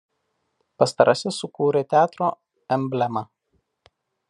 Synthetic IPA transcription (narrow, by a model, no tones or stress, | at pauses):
pɐst̪ɐɾʔɐsʲɛsʊkuːɾʲeːt̪ʲæːt̪ɾoː | ɛmʲbʲlʲɛmɐ